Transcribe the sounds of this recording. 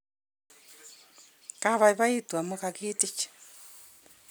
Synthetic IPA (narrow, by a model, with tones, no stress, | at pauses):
ka˦βa˨i˨βa˦i˦twa˨moka˨ki˦ti˦t͡ʃ